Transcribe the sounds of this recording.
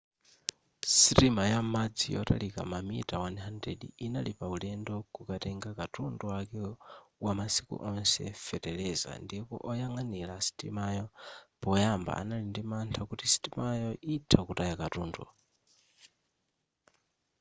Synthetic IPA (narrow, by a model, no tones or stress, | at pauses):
sitimajamad͡zijɔ̰ta̰lika̰mamitawanɦandɾɛ̰ɗiinalipaulɛndɔkukatɛŋɡakatunduakɛwamasi̥kṵʔɔnsɛ̰fɛtɛlɛza̰ndipɔ̰ʔɔjaŋanilasi̥tḭmajɔpɔjamba̰ʔa̰nalindimantʰakutisi̥timajɔʔitʰakutajakatuːndṵ